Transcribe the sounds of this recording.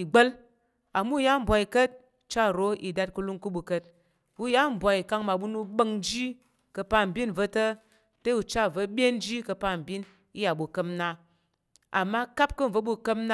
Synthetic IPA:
i˨ɡ͡bə˦l | a˨mu˦˨ja˦m̩˨bʷa˨i˨kə˦t̚ | t͡ʃa˦ɾo˨˦i˨da˧t̚ku˧lu˦ŋku˦ɓu˧kə˧t̚ | u˦ja˦m̩˨bʷa˨i˨ka˧ŋma˨ɓu˦nu˧ɓə˧ŋnd͡ʒi˦ | kə˧pa˧˨m̩˨bʲi˦n˨və˧tə˦ | te˦u˨t͡ʃa˦˨və˧ɓʲe˦n˦d͡ʒi˦kə˧pa˦m̩˨bʲi˦n | i˦ja˨ɓu˨kə˧mna˧ | a̰˨mːa˦ka˦p̚kə˦˨və˦ɓu˧kə˦mna˦

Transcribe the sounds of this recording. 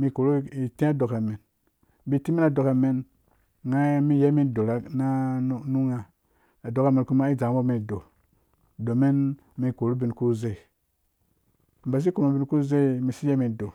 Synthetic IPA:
mi˧ko˨ɾu˦i˨tĩ˦a˦do˨ka˨me˨n | bi˨ti˦mi˦n˦a˨do˨ka˨me˦n | ŋa˦mi˦je˦mi˦n˨do˨ɾa˦na˦nu˦ŋa˨ | a˨do˨ka˨me˨nku˦ma˦i˦d͡ʒa˨˦bo˦mi˨n˨do˨ | do˨me˦n | mi˨ko˨ɾu˦bi˨nku˦ze˦˨ | m̩˨ba˨s̬i˦ku˨ma˨bi˨˦nku˦ze˦˨mi˨si˦je˦mi˨do˨

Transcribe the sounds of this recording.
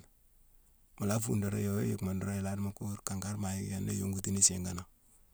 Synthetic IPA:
ma˨la˦fṵ˨ndo˨ɾa̰˦jo˨we˦ji˨kma˨ndo˦ɾo˦ji˨la˦dma˨ku˦ɾka˨ŋɡa˦ɾma˨ji˦kja˦nːḛ˦jo˦ŋɡu˨ti˦ni˦se˨ŋɡa˨na˨

